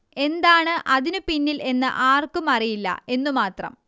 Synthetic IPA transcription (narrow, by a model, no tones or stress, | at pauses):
e̞nd̪aːɳɨʔɐðinupinːilʔe̞nːɨ̰ʔaːrkumɐrijilːɐ̰e̞nːumaːt̪rɐ̰m